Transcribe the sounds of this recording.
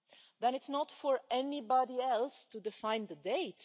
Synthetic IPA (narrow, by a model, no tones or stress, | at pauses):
ðə̃nɨtsnətfɔɹɛnibɑɾiɛlˠstudɨfãɪ̃nðədeɪt